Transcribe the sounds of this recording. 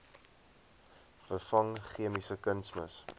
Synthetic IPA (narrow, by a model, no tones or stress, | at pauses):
fərfɐŋχiəmisəkənsmə̰s